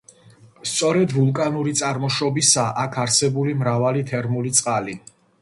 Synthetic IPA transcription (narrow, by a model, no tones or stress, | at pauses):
st̪sʼɔɾɛd̪vulˠkʼanuɾit̪sʼaɾmɔʃɔbisaʔakʰaɾsɛbulimɾavalit̪ʰɛɾmulit̪sʼqʼali